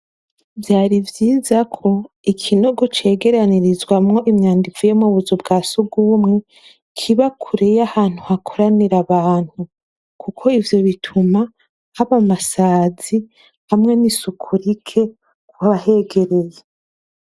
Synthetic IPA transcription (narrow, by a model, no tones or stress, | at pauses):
vjaːɾivjiːzakʰo̞ | ikʰino̞ɡo̞t͡ʃe̞ːɡe̞ɾaniɾizɡwamŋo̞ʔimɲaːndifujemuβuzubɡaːsuɡumŋe | kʰiβakʰuɾejahaːn̥huhakʰoɾaniɾaβaːn̥hu | kʰukʰo̞ivjo̞βitʰuma | haβamasaːzi | hamŋe̞nisukʰuɾikʰe̞ | kwaβahe̞ɡe̞ɾe̞je